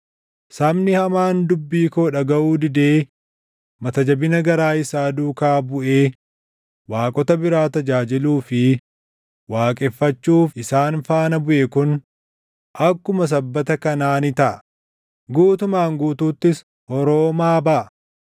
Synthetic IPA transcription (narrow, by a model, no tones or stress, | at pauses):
sɐmnɪhɐmaːnd̪ʊbːiːkoːᶑɐɡɐʔuːd̪ɪd̪eː | mɐt̪ɐd͡ʒɐbɪnɐɡɐɾaːɪsaːd̪uːkaːbʊʔeː | waːkʼɔt̪ɐbɪɾaːt̪ɐd͡ʒaːd͡ʒɪluːfɪ | waːkʼɛfːɐt͡ʃːuːfɪsaːnfaːnɐbʊʔɛkʊn | ʔɐkːʊmɐs̬ɐbːɐt̪ɐkɐnaːnɪt̪ɐʔ | ɡuːt̪ʊmaːŋɡuːt̪uːt̪ːɪs | hɔɾoːmaːbɐʔ